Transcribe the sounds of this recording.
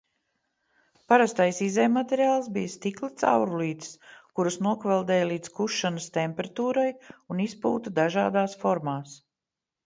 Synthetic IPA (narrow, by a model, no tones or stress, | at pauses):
paɾast̪ajsizɛjmːat̪eɾiaːlˠsbijəst̪iklit̪sa̰wɾuliːt̪skuɾusnuɔkvɛlˠd̪ɛːjlˠiːd̪skuʃːanəst̪empɛɾat̪uːɾajunispṵːt̪ud̪aʒaːd̪aːsfɔɾmaːs